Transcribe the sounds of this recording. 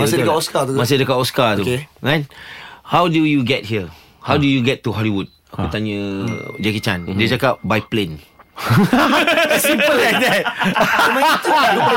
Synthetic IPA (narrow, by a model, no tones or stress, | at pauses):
kaɔskatumas̬idəkapɔskat̪uɹãnhawdujuɡɛt̚hiə | hawdujuɡɛtːuhɔliwud̚ | akkut̪aɲəd͡ʒɛkit͡ʃãñdiət͡ʃakap̚bajplẽn | sĩmpəllajk̚d̪ɛt̚